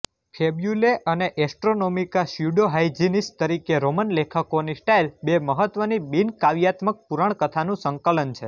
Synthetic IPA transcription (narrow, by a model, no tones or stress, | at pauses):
fʰebjuleʔəneʔɛsʈɾonomikaʃjuɖoɦaid͡ʒinist̪əɾikeɾomənlekʰəkonisʈailbeməɦət̪ʋənibinkaʋjat̪mək̚puɾaɳkət̪ʰanũsəŋkələnt͡ʃʰe